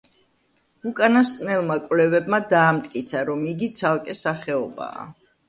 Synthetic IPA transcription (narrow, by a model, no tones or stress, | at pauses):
ukʼanaskʼnɛlˠmakʼvlɛvɛbmad̪aːmt̪ʼkʼit̪sʰaɾɔmiɡit̪sʰalˠkʼɛsaχɛɔba̰ː